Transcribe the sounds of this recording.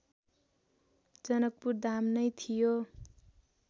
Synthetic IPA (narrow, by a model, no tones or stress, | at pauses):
d͡zʌnʌk̚purd̪amnʌjt̪ʰijo